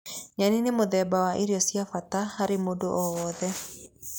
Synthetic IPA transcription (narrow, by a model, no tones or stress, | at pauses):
ɲaninemoðɛːbawaʔeɾeɔsjafatahaɾemodoʔɔwɔːðɛ